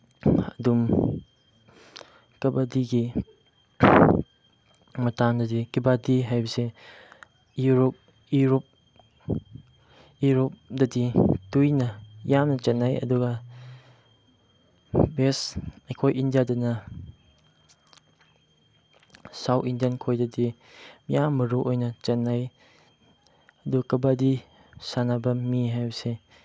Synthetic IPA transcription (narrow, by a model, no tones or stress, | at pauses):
ɐdum | kɐbadiɡi | mɐtamdɐdikibadiɦajbɐse | juɾop̚ | juɾop̚ | juɾop̚dɐditujnɐjamnɐt͡ʃanːajɐ̰duɡɐ | besajkʰojindijadɐnɐ | sawindijankʰojdɐdi | mjamːɐɾuʔojnɐt͡ʃɐnaj | ɐduɡakɐbadi | sanabɐmiɦajbɐse